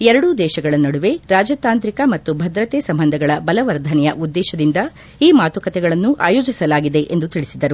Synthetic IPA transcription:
ɛɾɐɽud̪ɛːʃɐɡɐɭɐnːɐɽuʋe̞ɾaːd͡ʒaːt̪aːnt̪ɾikɐmɐt̪ːubʱɐd̪ɾɐt̪eːsɐmbɐnd̪ʱɐɡɐɭɐbɐlɐʋɐɾd̪ʱɐnɛjɐʔud̪ːɛːʃɐd̪ind̪ɐ | iːmaːt̪ukɐt̪ɛɡɐɭɐnːuʔa̰ːjo̞ːd͡ʒisɐlaːɡid̪e̞ʔend̪ut̪iɭisid̪ɐɾu

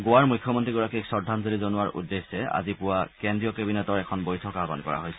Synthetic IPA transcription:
ɡowaɹmujkʰːjɔmɔntɹiɡɔɹakiksɔdʱːanzolizonʊaɹṵdːesɛa̰zipʊwakendɹiɔkebinɛtɔɹɛkʰɔnbojtʰɔkaba̰nkɔ̰ɹa̰ɦojsɛ̥

